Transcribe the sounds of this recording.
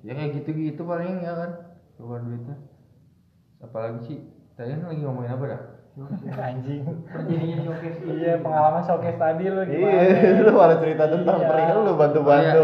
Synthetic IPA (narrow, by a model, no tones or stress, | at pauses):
jakajaɡit̪uːt̪upalɪŋjakansobaduit̪u | sapalaɡit͡ʃit̪adianlaɡimamoɪnap̬adah | ɡaɲd͡ʒɪŋrd͡ʒadiinsokɛsapəŋalaŋansokɛst̪adiloialoalat͡ʃəɾit̪at̪ənt̪aŋpaɾɪkanulobant̪ubanu